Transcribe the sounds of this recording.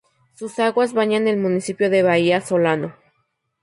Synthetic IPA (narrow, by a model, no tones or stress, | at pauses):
susaɣwazβaɲanelmũnisipjo̞ðe̞βaiaso̞lano